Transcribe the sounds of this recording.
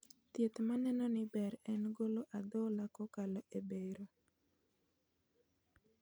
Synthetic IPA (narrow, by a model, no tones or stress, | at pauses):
t̪jet̪manɛnɔnɪbɛɾɛnɡoloʔad̪ɔlakɔkalɔʔebeɾo